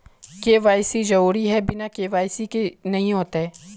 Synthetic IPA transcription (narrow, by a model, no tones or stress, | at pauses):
keːʋaːjsid͡ʒɐɾuːɾiɦɛbɪnakeːʋaːjsikenɐɦĩɦoːt̪aɦɛː